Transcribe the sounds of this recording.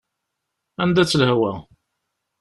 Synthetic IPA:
ænd̪æt͡sːlhwæ̰

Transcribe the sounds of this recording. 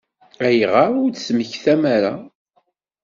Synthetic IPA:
æjʁaʊɾd̪sməçθæmæɾa

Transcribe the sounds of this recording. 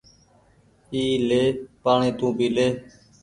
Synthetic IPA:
iːleːpaːɳeːt̪ũːbiːleː

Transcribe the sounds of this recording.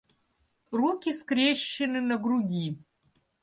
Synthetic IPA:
rukʲiskrʲeɕːɪnɨnɐɡruɡʲi

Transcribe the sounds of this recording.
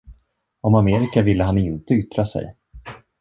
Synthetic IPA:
ɔmameːɾɪkavɪlːəɦanɪnt̪əʏt̪ɾasɛ̰j

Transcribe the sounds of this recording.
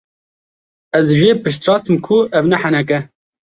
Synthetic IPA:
ɛzʒeːpɨʃt̪ɾɑːst̪ɨmkʰʊɛvnɛħɛnɛk̬ɛ

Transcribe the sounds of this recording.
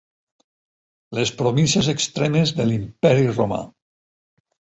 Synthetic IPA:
lespɾoβinsezekst̪ɾɛmezðelimpɛɾiroma̰

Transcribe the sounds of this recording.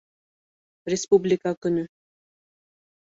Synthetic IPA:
ɾʲespublʲikakə̆nə

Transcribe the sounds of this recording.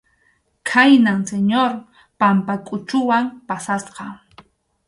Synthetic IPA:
kʰajnaŋseɲoɾ | pampakʼʊt͡ʃʊwampasasqɑ

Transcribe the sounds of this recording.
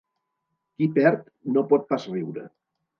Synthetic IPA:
kipɛɾt̪ | nopɔt̪̚pasriwɾə̰

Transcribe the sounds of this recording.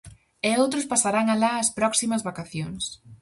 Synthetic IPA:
ɛowt̪ɾʊspasaɾaŋalaɐspɾɔksimɐzβakaθjoŋs

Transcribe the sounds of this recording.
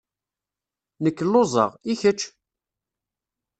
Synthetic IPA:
nəkːəlːozˤə̰ʁiçət͡ʃː

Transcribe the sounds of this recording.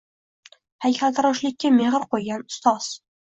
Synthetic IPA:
hæjkæt̪ɾɒʃlɪkʲːameʁəɾqojɡʲanʊ̥st̪ɒz̥

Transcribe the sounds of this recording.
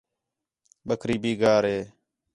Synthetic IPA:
ɓəkʰɾiːbiːɡaːɾɦeː

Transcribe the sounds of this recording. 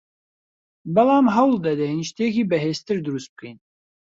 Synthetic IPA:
bɛlaːmɦɛwld̪ɛd̪ɛjinʃt̪eːkiːbɛɦeːst̪ɨɾd̪ɨɾust̪̚b̥ɨ̥kin

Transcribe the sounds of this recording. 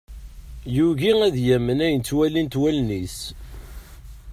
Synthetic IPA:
juʝiæðjæmːənæjənt͡sːwælint̪wælnis

